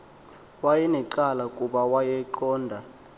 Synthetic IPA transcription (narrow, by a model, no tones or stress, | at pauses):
wajɛnɛǃalakʼuɓawajɛǃɔːndʱa